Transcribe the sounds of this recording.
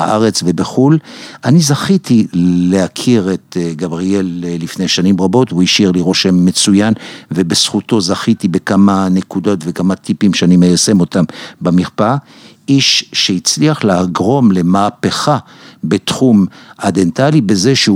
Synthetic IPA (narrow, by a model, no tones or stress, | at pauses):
a̰ʔaʁe̞t͡svebeχulʔanizaχit̪ilehakʰiʁet̪ɡabʁielːifne̞jʃanimʁabo̞tvuiʃiʁliʁo̞ʃemːe̞t͡sujanve̞besχuto̞zaχit̪ibe̞kamane̞kud̪o̞tvekamat̪ipimʃeanimejase̞mo̞t̪ambamiʁpa | ʔiʃʃeit͡sliaχleaɡʁo̞mle̞maːpeχa | be̞tχumad̪entalibe̞ze̞ʃe